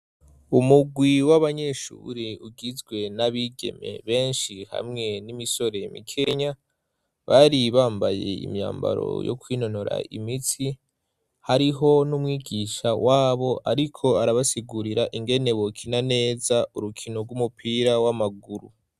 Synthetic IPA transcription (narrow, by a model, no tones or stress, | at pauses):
umuɡwiwaβaɲe̞ʃṵɾiuɡizɡwe̞naβiɡe̞̰me̞̰βe̞ːnʃiha̰mŋe̞nimiso̞ɾe̞mḭkʰe̞ɲa | βaɾiβaːmbaje̞̰ḭmɲa̰ːmba̰ɾo̞̰jo̞̰kwiːno̞no̞ɾa̰ʔḭmiti | haɾiɦo̞numŋiːɡiʃawaːβo̞ʔaɾikʰo̞aɾaβasiɡuɾiɾaʔiŋɡe̞ne̞wokʰinane̞ːzauɾukʰinoɡumupʰiːɾawamaɡuɾu